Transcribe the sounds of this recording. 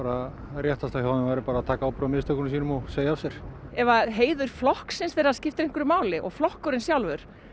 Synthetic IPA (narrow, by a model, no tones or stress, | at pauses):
aːɾa | rjɛht̪ast̪awjaːwnʏmvajɾɪpaːɾaːt̪ʰaːkaawpɾœmɪst̪œkʏnsiːnʏmɔseːjasjɛɾ̥ɛvaðɦeːjðʏɾ̥flɔhksɪnsθfeːɾascɪft̪ɪɾeŋkʏɾʏmaːwlɪʔɔ̰ɣflɔhkʏɾɪnsjawlvʏɾ̥